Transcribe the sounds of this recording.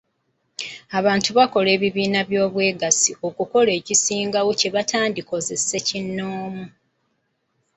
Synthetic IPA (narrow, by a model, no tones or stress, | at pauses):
aβaːntuβako̞le̞ːβiβiːnaβjo̞ːβwe̞ːɡasio̞kuko̞le̞ːcisiːŋɡawoce̞βatʰaːndiko̞ze̞se̞cinːoːmu